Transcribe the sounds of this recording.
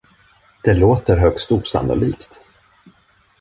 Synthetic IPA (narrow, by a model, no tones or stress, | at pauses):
d̪̥ɛloːt̪əɾɦœkst̪uːsa̰nʊ̰liːkt̪